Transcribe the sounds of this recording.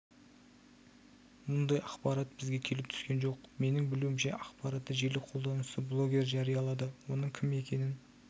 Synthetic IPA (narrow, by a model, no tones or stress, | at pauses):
mʊnd̪ɑjɑqpɑɾat̪bɪzɡʲe̞kʲʰe̞lɪp̚t̪ʰʏ̥skʲe̞nʒo̞qme̞nɪŋbɪluwɪmʃe̞ʔɑqpɑɾat̪ːəʒe̞lɪqʰo̞lˠd̪ɑnəsəblˠo̞ɡʲe̞ɾʒɑɾijɑlˠɑd̪əwo̞nəɴkʲʰɪme̞kʲʰe̞nɪn